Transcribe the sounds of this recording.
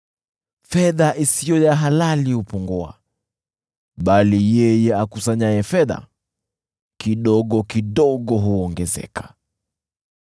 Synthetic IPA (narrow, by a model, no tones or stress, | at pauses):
fɛðaʔisijɔjaɦalalihupɔŋɡɔa̰ | ɓalijɛjɛakusaɲajɛfɛða̰ | kiɗɔɠɔkiɗɔɠɔɦuɔŋɡɛzɛ̰kʰḁ